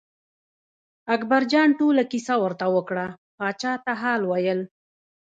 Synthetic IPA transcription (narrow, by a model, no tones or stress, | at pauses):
akbaɾd͡ʒɑɳʈolakisawəɾt̪awəkɽa | pɑt͡ʃɑt̪aɦɑlwajəl